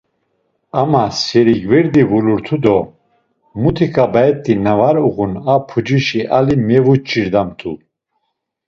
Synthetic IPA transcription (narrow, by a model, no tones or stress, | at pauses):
amasɛɾiɡvɛɾd̪ivuluɾt̪ʰud̪ɔ | mut̪ʰikʰʼabaɛt̪ʼːinavaɾuʁunapʰud͡ʒiʃiʔalimɛvut͡ʃʰʼiɾd̪amt̪ʰu